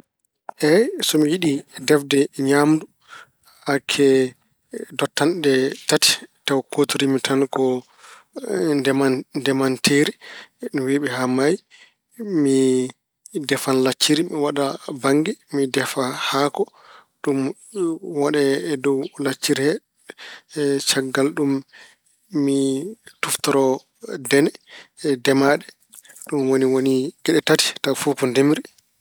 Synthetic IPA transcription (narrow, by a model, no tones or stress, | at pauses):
ʔɛsɔmijiɗidɛfdɛɲamdu | akʰːɛ | dɔtːanɗɛtati̥tawkotiɾimitʰankɔ | dɛmadɛmantʰeːɾiɗumwiɓɛhamaj | mi | dɛfanlat͡ʃːiɾimiwaɗabaŋɡɛmidɛfahaːkɔ | ɗum | waɗɛːdɔwlat͡ʃːiɾihɛ | t͡ʃaɡːalɗumː | ituftɔɾɔ | dɛnɛdɛmaɗɛ | ɗumwoniwoniɡ̥ɛɗɛtati̥tafukɔndemɾi